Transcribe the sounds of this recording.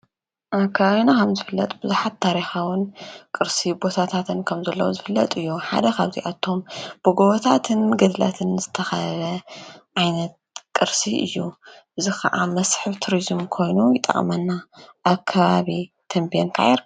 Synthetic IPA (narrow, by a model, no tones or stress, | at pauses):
ʔakʰːaβaβinakʰɐmzɨfɨlːɐt̪ʼbɨzuħat̪ʰːaɾixawɨnkʼɨɾsibot̪ʰat̪ʰat̪ʰɨnkʰɐmzɐlːɐwuzɨfɨlːɐt̪ʼɨjːuħa̰d̪ɐkʰaβzḭʔat̪ʰːo̞mb̥ɨɡoβot̪ʰat̪ʰɨnɡɐd̪la̰t̪ʰɨnzɨt̪ʰɐxɐlɐʕajnɐt̪̚kʼɨɾsiʔɨ̰jːuʔɨzixɐʔamɐsħɨβt̪ʰuɾizmkʰo̞jnujɪt̪ʼːɐ̰χʼmɐnːaʔːkʰːɐβaβit̪ʰɐmbijenk̪ʰa̰ʕɛɾ